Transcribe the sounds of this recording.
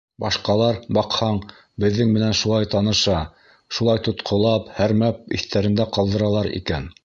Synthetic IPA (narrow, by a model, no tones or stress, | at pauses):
bɑʃqɑlˠɑɾbɑqhɑɴ | bɘ̆ðːɘŋmɘ̆nænʃulˠɑjt̪ɑnɤ̆ʃɑ | ʃulˠɑjt̪ŏt̪qʰŏlˠɑphæɾmæp̚ḭθt̪æɾɘ̆nd̪æqɑlˠd̪ɤ̆ɾɑlˠɑɾḭkæn